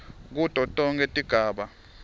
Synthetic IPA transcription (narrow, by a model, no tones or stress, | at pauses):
k̬ud̥ʱɔtʼɔŋkʼetʼiɡ̥ʱaːɓa